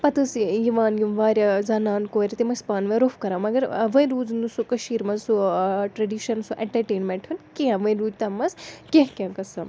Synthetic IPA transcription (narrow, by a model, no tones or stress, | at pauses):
pɐt̪ɨsjiʋaːnjimʋaːɾʲɐzaːnaːnkoːɾʲit̪imɐspaːnʋɐ̃ɾofʰkɐɾaːmɐɡɐɾʋɐ̃ĩɾuːd͡znusukɐʃiːɾmɐnsuʈɾɐɖiːʃɐnsuʔẽɳʈɐɾʈeːnmẽɳʈʰunkeãʋɐ̃ɾuːd͡ʒt̪ɐmːɐskʲeɦkʲãːkɐsɐm